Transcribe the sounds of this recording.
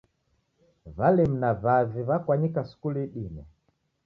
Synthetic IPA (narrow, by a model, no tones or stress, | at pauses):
valɛm̩navaviβakwaɲikasu̥kuliɗinɛ